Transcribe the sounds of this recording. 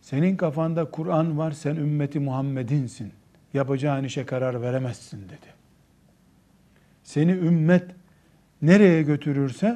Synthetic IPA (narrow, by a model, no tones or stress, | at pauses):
se̞ninkafand̪akʰuɾanvaɾsænymːet̪ʰimuɦamːed̪insin | japad͡ʒaːniʃɛkʰaɾaɾveɾemɛz̥ːind̪e̞d̪̥i̥ | se̞niymːɛt̪ | neɾejɛɟø̞t̪ʰyɾyɾsɛ